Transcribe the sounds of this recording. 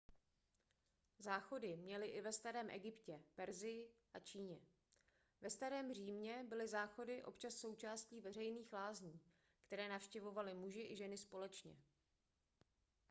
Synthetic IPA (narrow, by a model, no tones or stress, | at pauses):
zaːxo̞dɪmɲɛlɪʔɪvɛst̪aɾɛːmʔɛɡɪpcɛpɛɾzɪjɪʔat͡ʃiːɲɛ | vɛst̪aɾɛːmr̝iːmɲɛbɪlɪzaːxo̞dɪʔo̞̰pt͡ʃasːo̞wt͡ʃaːsciːvɛrɛjniːxlaːzɲiː | kt̪ɛɾɛːnafʃcɛvo̞valɪmuʒɪʔɪʒɛnɪspo̞lɛt͡ʃɲɛ̰